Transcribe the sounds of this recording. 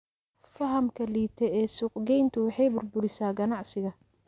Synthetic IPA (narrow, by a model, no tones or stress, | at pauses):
fɐɦɐmkʰɐliːt̪ʰɛɛːsʊqɡɛjnt̪ʰʊwɑħɑjbʊrbʊɾɪsaːɡɐnɑʕsɪɣɐ